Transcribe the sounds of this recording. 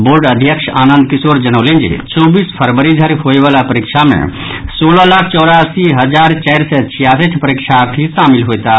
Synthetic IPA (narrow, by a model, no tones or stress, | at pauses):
boɾɖəd̪ʱjəkʃʰanənd̪kisoɾd͡ʒənəlend͡ʒḭt͡ʃɔbispʰəɾbəɾid̪ʱəɾɦoebalapəɾikt͡ʃʰamḛ̃ | solɔlakʰt͡ʃɔʊɾasiɦəd͡ʒaɾt͡ʃɛjɾsɛt͡ʃʰijasiʈʰpəɾikt͡ʃʰaɾt̪ʰisamilɦojt̪a